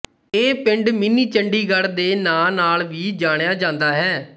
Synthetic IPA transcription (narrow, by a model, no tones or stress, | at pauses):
eːpɪɳɖmɪniːt͡ʃəɳɖiːɡəɾd̪eːnaːnaːlʋiːd͡ʒaːɽjaːd͡ʒãːnd̪aːɦɛː